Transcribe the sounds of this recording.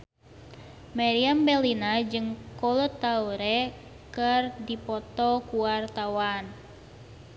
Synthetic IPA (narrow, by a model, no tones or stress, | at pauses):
maɾiambɛlinad͡ʒɨŋkɔlɔt̪ːauɾɛ | kərdipɔt̪ɔkuwart̪awan